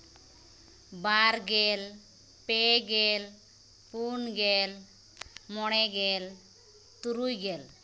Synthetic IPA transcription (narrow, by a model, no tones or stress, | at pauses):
baɾɡel | peɡel | punɡel | mɔɽ̃ɛɡel | t̪uɾujɡel